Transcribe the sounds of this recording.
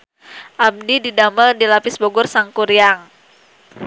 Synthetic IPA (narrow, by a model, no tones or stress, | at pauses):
ʔab̚nididamərdilapɪsboɡʊrsaŋkuɾijaŋ